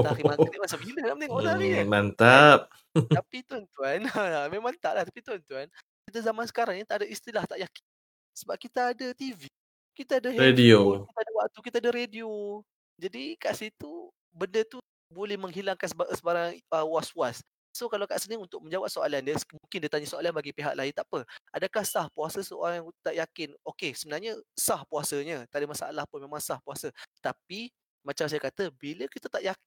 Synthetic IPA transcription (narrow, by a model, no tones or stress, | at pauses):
akimaɾiʔ̚mansabiləlamət̪eŋɔʔɾaimant̪ap̚ | t̪apit̪ant̪uanaameŋmãnt̪a̰ʔlaht̪apit̪uant̪uan | kit̪azamansə̥kaɾaŋɲit̪aʔdaist̪ilaht̪aʔjakn | səbap̚kit̪aːdat̪ivi | kit̪aːdaɦɾediokit̪adawak̚t̪ukit̪adaɾedio | d͡ʒadikaʔsit̪u | bəndət̪u | bolɛhməŋɦilaŋkanssəbaɾaŋəwasuasː | okalawkaʔsəniunt̪ʊk̚məɲd͡ʒawap̚soa̰landəsmuŋkɪndit̪aɲasoalanbaɡipiɦaʔ̚laint̪aʔpəadakahsahpuasəsəo̰ɾaŋjaŋt̪aʔjakɪnokesəbənarɲasahpuasəɲat̪aʔdəmasaʔa̰lahpʊnmemãŋsahpuasət̪ap̚i | mat͡ʃams̬ajakat̪əbiləkit̪at̪aʔjak